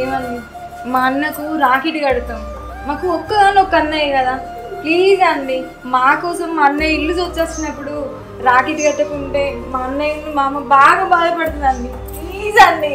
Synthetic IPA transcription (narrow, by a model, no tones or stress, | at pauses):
eːmɐni | manːɐkuɾaːkiʈiɡɐɽut̪aːmu | maːkuɔkːɐɡaːnːɔkːɐnːɐjɐkɐd̪aː | kliːd͡ʒɐɳɖi | maːkɔːsɐmːɐnːɐilːud͡ʒoːt͡ʃːeːsinɐpːuɽu | ɾaːkiʈiɡɐʈːɐkuɳʈe̞ːmanːɐinimaːmɐbaːɡaːbaːd̪ɐpɐɽt̪und̪ɐɳɖi | kliːzɐɳɖi